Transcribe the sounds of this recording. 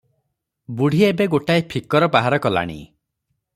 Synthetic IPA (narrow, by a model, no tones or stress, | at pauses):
buɽ̤ʱiebeɡoʈaepʰikɔɾɔbaɦaɾɔkɔla̰ɽ̃ḭ